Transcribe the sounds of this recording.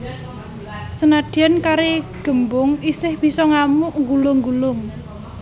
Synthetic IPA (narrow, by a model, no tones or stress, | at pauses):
sənad̥iankaɾeɡ̥ə̤mbʊŋisɪhb̥i̤sɔŋamʊʔŋɡulʊŋɡulʊŋ